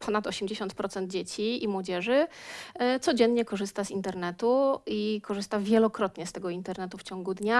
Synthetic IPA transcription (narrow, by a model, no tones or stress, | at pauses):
pʰɔnat̪ɔɕɛmd͡ʑeɕɔnt̪pɾɔt̪sɛnd̪̚d͡ʑet͡ɕiimwɔd͡ʑɛʐɘ | t̪sɔd͡ʑɛnːɲɛkɔʐɘst̪azint̪ɛɾnɛt̪uikɔʐɘst̪avʲjɛlɔkɾɔt̪ɲɛst̪ɛɡɔint̪ɛɾnɛt̪uft͡ɕɔŋɡud̪ɲa